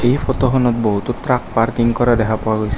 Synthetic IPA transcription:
ejpʰɔtɔxɔnɔt̚boɦut̪utɾak̚paɹkiŋkɔɹadɛkʰapɔwaɡojsɛ̥

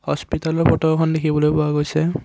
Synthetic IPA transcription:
hɔspitalɔɹpʰɔʈɔɹkʰɔndekʰibɔlojpɔaɡojsʰɛ

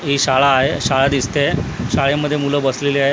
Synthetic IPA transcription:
ɦiɕaɭaːɦeɕaɭad̪ist̪eɕaɭeməd̪ʱːjemuləbəsleliaɦe

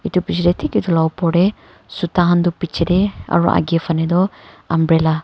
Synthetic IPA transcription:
it̪upid͡ʒɾet̪ʰikit̪ulawpɔɽe | sut̪aɦand̪upit͡ʃʰːedea̰ɹuʔa̰ɡiefaned̪ɔambɾela

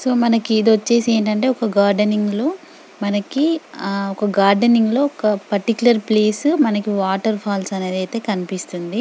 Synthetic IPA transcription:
so̞ːmɐnɐkiːd̪ʋɐt͡ʃːe̞ːsieːɳʈɐɳʈe̞ːɔkɐɡaːɾɖɐniŋɡlo̞ː | mɐnɐkiɔkɐɡaːɾɖeniŋɡlo̞ːɔkɐpɐɾʈikjulɐɾple̞ːsmɐnɐkiʋaːʈɐɾpʰaːlsɐne̞ːd̪ɐjt̪e̞ːkɐnipist̪und̪i

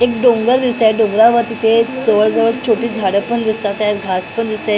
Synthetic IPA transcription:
ek̚ɖõŋɡəɾd̪ist̪aɖõŋɡɾaʋat̪it̪ʰet͡səʋəɭd͡zəʋəɭt͡ɕʰoʈiːd͡zʱaɽəpəɳd̪ist̪at̪ːjaɾɡʱaspəɳd̪ist̪a

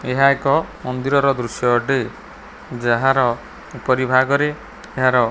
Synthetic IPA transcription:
eɦaekɔmɔnd̪iɾɔɾɔd̪ɾusjɔʈi | d͡ʒaɦaɾɔ | upɔɾibʱaɡɔɾe | eɦaɾɔ

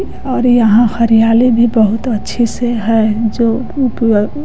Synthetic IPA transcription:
ɔːɾjɐɦãxɐɾijaːlebʱibɐɦʊt̪ɐtːʃʰiseɦɛd͡ʒoː | p

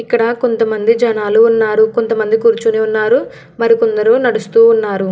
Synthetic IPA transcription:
ikːɐɽɐko̞nt̪ɐmɐnd̪id͡ʒɐnaːluːnːaːɾukont̪ɐmɐnd̪ikuːɾt͡ʃuneːunːaːɾu | mɐɾikond̪ɐɾunɐɽust̪uːnːaːɾu

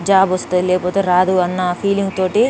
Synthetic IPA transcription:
d͡ʒaːbɔst̪unlɛːkɐpoːt̪e̞ːɾaːd̪uɐnːɐpʰiːliŋɡt̪oːʈi

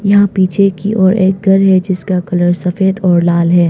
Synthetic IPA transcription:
jɐɦãpiːt͡ʃʰekiʔɔːɾeːk̚ɡʱɐɾɦɛd͡ʒɪskakɐləɾsɐfeːd̪ɔːɾlaːlɦɛː

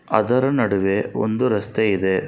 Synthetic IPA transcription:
ɐd̪ɐɾɐnɐɽuʋeo̰nd̪uɾɐst̪eid̪e̞

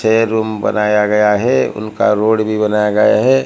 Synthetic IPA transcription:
seɾuːmbə̰naːjaɡɐjaɦɛʊ̰nka̰ɾoːɽbʱibənaːjaɡɐja̰ɦɛː

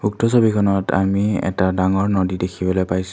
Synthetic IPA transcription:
uk̚tɔsobikʰɔnɔta̰miɛ̰tadaŋɔɹnodidekʰibɔlojpajs

